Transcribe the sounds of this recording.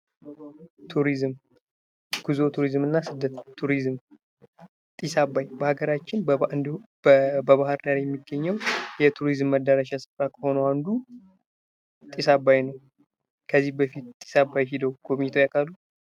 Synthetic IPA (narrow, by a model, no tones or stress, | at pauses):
t̪ʰuɾizm | ɡ̥uzo̞t̪ʰuɾizmɨnːasɨd̪ːət̪ʰːuɾizm | t̪ʼisabajbəhaɡəɾat͡ʃːɪnbɨnd̪ | bəβahɨɾd̪aɾjɛmːiɡːəɲːɛwjɛt̪ʰuɾizmːəd̪ːəɾaʃasɨ̥fɾakʰəho̞nəwand̪u | t̪ʼisabːajnəw | kʰəzːihbəfit̪t̪ʼi̥sabːajɦid̪əwɡ̥oβit̪ʰojakʰʼalːu